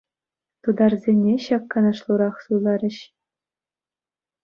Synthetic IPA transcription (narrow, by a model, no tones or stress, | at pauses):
t̪ud̪ɑrzʲenʲeɕɑkːɑnɑ̆ʂlˠuɾɑχsulˠɑɾʲɘ̆ɕ